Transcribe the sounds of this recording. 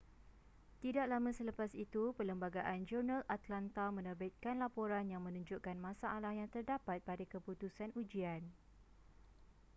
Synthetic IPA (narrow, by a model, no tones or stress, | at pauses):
t̪idaʔlamə̃sələpasit̪upələmbaɡaʔand͡ʒurnãlat̪lant̪amə̃nəbɪt̪̚kanlapoɾanjaŋmə̃nũɲd͡ʒuʔkanmãsaʔːlahjaŋt̪ərdapat̪̚padakəput̪usanud͡ʒian